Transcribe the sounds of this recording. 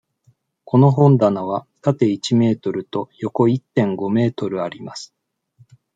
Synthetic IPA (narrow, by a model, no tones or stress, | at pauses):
kʰo̞no̞ɦõ̞nd̪anaβat̪at̪e̞it͡ɕime̞ːt̪o̞ɾɯ̟t̪o̞jo̞ko̞it̪ːẽ̞ŋɡo̞me̞ːt̪o̞ɾɯ̟aɾʲimasɨ̥